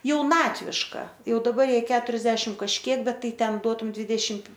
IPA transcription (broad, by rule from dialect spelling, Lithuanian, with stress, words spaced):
jɛʊˈnɑːtʲʋʲɪʃkɐ ˈjɛʊ dɐˈbɐr ˈjɛɪ ˈkʲæːtʊrʲɛzʲdʲɛʃʲɪm kɐʃʲˈkʲiɛk ˈbʲɛt ˈtɐɪ ˈtʲɛn ˈduɔtʊm ˈdʲʋʲiːdʲɛʃʲɪmt